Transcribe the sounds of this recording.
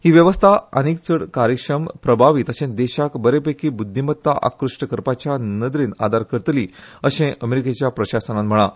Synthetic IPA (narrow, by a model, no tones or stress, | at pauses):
hiːʋjəʋəst̪ʰaə̰nikt͡səɽkaɾjəkʂɾəmpɾəbʱaʋit̪əɕẽd̪ɛɕakbəɾepekiːbud̪ʱːimət̪ːaʔa̰kɾuʂʈəkəɾpat͡ɕjanəd̪ɾiːna̰d̪ʱaɾkəɾt̪liːəɕẽʔəmeɾiket͡ɕjapɾəɕasənanm̤əɭ̃a